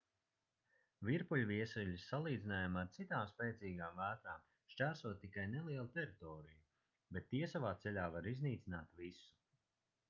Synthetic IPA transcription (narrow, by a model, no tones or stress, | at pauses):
viɾpulʲviɛsɛʎʲisalˠiːd̪zinaːjamaɾt̪sit̪aːmspɛːt̪siːɡaːmvæːt̪ɾaːm | ʃt͡ʃʲæːɾsuɔt̪ːikajnɛlˠiɛlˠut̪ɛɾit̪ɔːɾiju | bɛt̪ːiɛsavaːt̪sɛʎʲaːvaɾizniːt̪sinaːt̪visu̥